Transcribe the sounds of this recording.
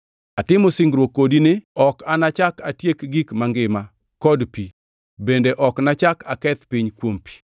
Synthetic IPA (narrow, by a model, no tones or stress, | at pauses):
atɪmosɪŋɡɾwokːodinɪɔkanat͡ʃakatjekɡikmaŋɡɪma | kɔdpi | bendeʔɔknat͡ʃakakɛt̪piɲkwompi̥